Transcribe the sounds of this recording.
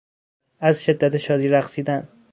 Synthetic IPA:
æzʃe̞d̪ːæt̪ʰeʃɒːd̪iːɾæxsiːd̪æn

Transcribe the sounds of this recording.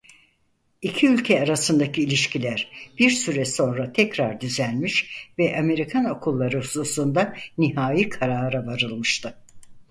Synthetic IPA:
icʰiylʲcʰɛaɾasɯnd̪acʰiːlʲiʃcʰilʲæɾ̥biɾsyɾɛso̞nɾat̪ʰɛcɾaɾd̪yzænmiʃvɛʔame̞ɾikʰano̞kʰulˠːaɾɯhusuːsund̪aniɦaːjikʰaɾaːɾavaɾɯlˠmɯʃt̪ʰɯ

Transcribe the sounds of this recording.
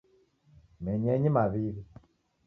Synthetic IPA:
mɛɲɛɲimaβiβi

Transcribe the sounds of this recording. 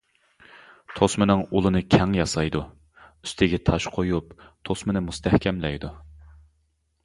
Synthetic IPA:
t̪ʰosmɨnɨŋulˠɨnɨkʲʰɛŋjɑsɑjd̪u | y̥st̪ʰɪɡʲɛt̪ʰɑʃqʰojupt̪ʰosmɨnɨmust̪ʰɛhkʲʰɛmlɛjd̪u

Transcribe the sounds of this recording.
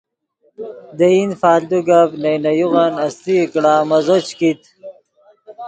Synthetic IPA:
d̪einfaːld̪uɡabnejnɐjuɣanɐst̪ikɽaːmɐzot͡ɕkit̪

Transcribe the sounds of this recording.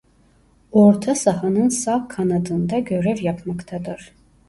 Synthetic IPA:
oɾt̪ʰasaɦanɯnsakʰːanad̪ɯnd̪aɟø̞ɾɛvjapʰmakt̪ʰad̪ɯɾ̥

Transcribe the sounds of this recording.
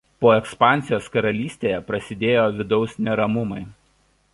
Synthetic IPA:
poːɛkspɑˑnʲˑtsʲɪjoːskɐɾɐlʲiːsʲt̪ʲeːjɛpɾɐsʲɪd̪ʲeːjoːʋʲɪd̪ɒʊsʲnʲɛɾɐmʊmɐɪ

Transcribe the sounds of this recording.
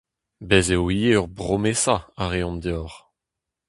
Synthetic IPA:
bɛzewijeœʁbʁomesaaʁeɔ̃md̪eɔʁ

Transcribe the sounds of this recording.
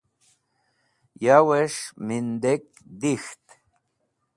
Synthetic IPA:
jaweʃmind̪ek̚ | d̪ixt̪

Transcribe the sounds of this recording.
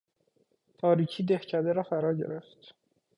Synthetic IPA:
t̪ʰɒːɾiːcʰiːd̪ehcʰæd̪eɾɒːfæɾɒːɾɟe̞̰ɾeft̪

